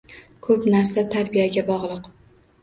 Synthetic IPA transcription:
kʰɵpnaɾsat̪ʰaɾbijaɡʲabɒʁlˠɨq

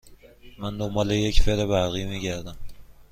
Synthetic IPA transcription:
mænd̪omɒːlejecfeɾebæɾɣiːmiːɟæɾd̪æm

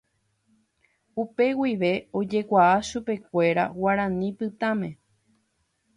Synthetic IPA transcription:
upe̞wiʋe̞o̞d͡ʒe̞kʷaaʃupe̞kʷe̞ɾa̰waɾãnĩpɨt̪ãmẽ̞

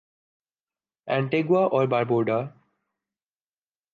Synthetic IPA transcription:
ɛ̃ɳʈeɡwaʔɔːɾbaɾboːɖa

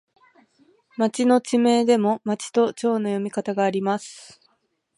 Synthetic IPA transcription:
mat͡ɕino̞t͡ɕime̞ːd̪e̞mo̞mat͡ɕi̥t̪o̞t͡ɕo̞ːno̞jo̞mʲikat̪aɡaːɾʲimasɨ̥

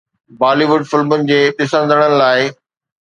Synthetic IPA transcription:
baːliʋʊɖfɪlmʊnɪ̆d͡ʑeːɗɪsə̃nd̪ʱəɽ̃ənɪ̆laːɪ

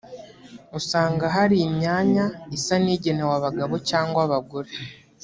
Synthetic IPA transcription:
usaːŋɡaɦaɾiːmɲaːɲaisaniːɟe̞newaβaɡaβo̞caːŋɡwaβaɡuɾe

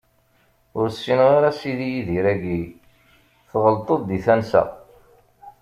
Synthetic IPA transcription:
ʊɾsːinʁaɾæsiðijiðiɾæɡi | θʁəlt̪ˤoðˤd̪iθænsæ̰

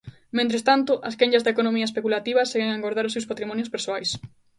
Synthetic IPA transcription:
mẽnt̪ɾest̪ant̪ʊʔɐskẽɲazðekonõmiɐespekulat̪iβɐseɣeŋaŋɡoɾðaɾʊsewspat̪ɾimɔnjʊspeɾsoajs

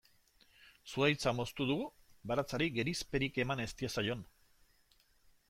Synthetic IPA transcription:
suajt͡samo̞st̪uð̞uɣu | baɾat͡saɾiɡe̞ɾispe̞ɾike̞mane̞st̪iasajo̞n

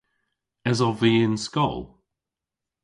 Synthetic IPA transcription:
əzɔviɪnskɔ̰lˠ

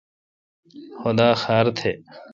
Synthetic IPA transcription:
xʊd̪aːxaːɾt̪ʰeː

